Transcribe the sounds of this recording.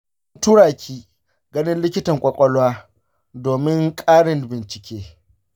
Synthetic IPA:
ʊ˦ntu˦ɽaː˨kʲiː˦ | ɡɐ˦nɪ˦nlɪ˦kʲɪ˦tɐ˨ŋkʷʼɔ˨kʷʼɔ˦lwaː˦ | doː˨mɪ˦ŋkʼaː˦ɽɪ˨nbɪ˨nt͡ʃɪ˨kʲeː˦

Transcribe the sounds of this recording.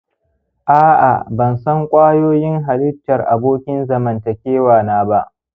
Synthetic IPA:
ʔaː˦ʔa̰˨bɐ˨nsɐ˦ŋkʷʼaː˦joː˦jɪ˦ŋɦa˨lɪ˦ɸ̚tɐ˨rʔa˨boː˦kʲɪ˦nzɐ˨mɐ˨ntɐ˨kʲeː˦waː˨naː˦ba˦ʔ

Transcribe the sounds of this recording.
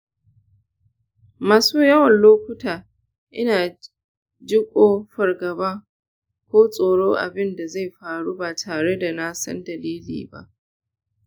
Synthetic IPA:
maː˨suː˦jɐ˦wɐ˨nloː˦kʷʊ˦taː˨ | ʔɪ˦naː˨ | d͡ʒɪ˦kʷʼoː˦ɸɐ˨rɡɐ˨baː˦ | kʷoː˦sʼoː˨ɽoː˦ʔa̰˨bɪ˦nda˨za˦˨jɸaː˨ɽuː˦baː˨tʰaː˨ɽe˦da˨na˦sɐ̰˦ndɐ˨liː˦lḭː˨ba̰˦ʔ

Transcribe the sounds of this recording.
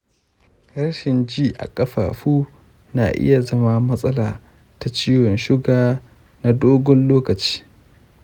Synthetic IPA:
hɐ˦rʃɪ˨nd͡ʒiː˦ʔa̰˨kʼɐ˦ɸa̰ː˨ɸuː˦ | naː˨ʔɪ̰˦ja˨zɐ˦ma˦mɐ˦sʼɐ˦laː˨ | ta˨t͡ʃiː˦wɔ˨nʃɪ˦ɡaː˦ | na˦doː˦ɡɔ˦nloː˦kɐ˨t͡ʃi̥ː˦

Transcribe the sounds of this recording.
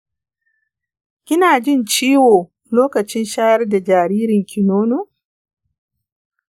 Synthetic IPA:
kʲɪ˦naː˨d͡ʒɪ˦˨nt͡ʃiː˦woː˨ | loː˦kɐ˨t͡ʃɪ˦nʃaː˦jɐ˦rda˨d͡ʒaː˨ɾiː˦ɾɪ˨ŋkʲʰɪ˨noː˦noː˦˨

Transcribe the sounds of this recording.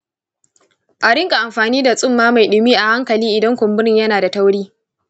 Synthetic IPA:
ʔa˨ɽɪ˦ŋkʼa˨ʔa˨mɸaː˨niː˦da˨sʼʊ˦˨mːaː˦ma˨jɗʊ˨miː˦ʔa˨ha˦ŋkɐ˨liː˦ʔɪ˨dɐ˦ŋkʷʊ˨mbʊ˦ɾɪ˦˨ɲjɐ˦naː˨da˨tɐ˦wɽiː˦

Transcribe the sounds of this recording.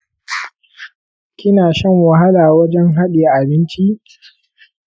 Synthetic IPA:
kʲɪ˦naː˨ʃɐ˦ŋwa˨ɦa˦laː˨wɐ˦d͡ʒɛ˦ŋɦa˦ɗeː˨ʔa˨bɪ˦nt͡ʃi˦ʔ

